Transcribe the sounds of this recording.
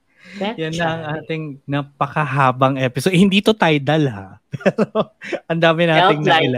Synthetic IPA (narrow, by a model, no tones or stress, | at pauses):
jɐnːɐʔɐŋʔaːt̪ɪŋnɐpɐkɐɦaːbɐŋʔɛpɪsod̪hɪnd̪iːt̪ot̪ɐjd̪ɐlha̰pɛːɾoʔɐnd̪aːmɪnaːɪŋnɐɪla